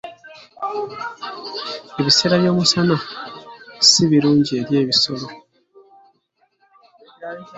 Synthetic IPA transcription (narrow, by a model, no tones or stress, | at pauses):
eβiseɾaβjo̞ːmusana | siβiɾuːɲɟie̞ɾje̞ːβiso̞lo̞